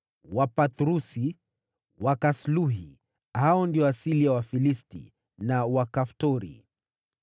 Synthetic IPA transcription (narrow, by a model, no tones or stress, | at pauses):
wapatɾusi | wakasluɦi | haɔndiɔasilijawafilistḭ | nawakaftɔɾḭ